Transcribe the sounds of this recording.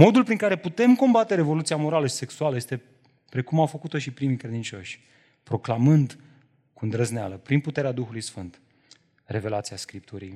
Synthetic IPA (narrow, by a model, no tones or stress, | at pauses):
mo̞d̪ulpɾiŋkaɾe̞put̪e̞mko̞mbat̪e̞ɾe̞vo̞lut̪siamo̞ɾaləʃi̥se̞ksualəje̞st̪e̞ | pɾe̞kumawfəkut̪o̞ʃipɾimijkɾe̞d̪int͡ʃo̞ʃʲ | pɾo̞klamɨnd̪ | kund̪ɾəznea̰ləpɾinput̪e̞ɾead̪uxulujsfɨnt̪ | re̞ve̞lat̪siaskɾip̚t̪uɾḭj